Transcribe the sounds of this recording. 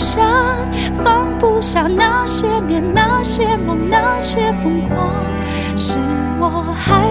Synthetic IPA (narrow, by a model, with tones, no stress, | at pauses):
ʂa˧˥ | fɑ˥ŋpu˥˧ɕɑ˨˩ŋna˧ɕjɛ˥njɛ˧˥nna˧ɕjɛ˥mɑ˨˩ŋna˥˧ɕjɛ˥fɤ˧˥ŋkʰwɑ˥ | ʂɻ̩˨˩ | wɔ˨˩ | xa˧˥